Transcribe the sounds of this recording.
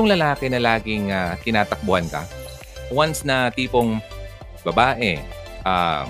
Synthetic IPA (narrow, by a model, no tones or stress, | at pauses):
ʊŋlɐlaːkɛnɐlaːɡɪŋat̪ɪnaːt̪ɐk̚bʊhɐnkɐ̰ | wansnɐt̪iːpoŋ | bɐbaːʔɛ | ʔa̰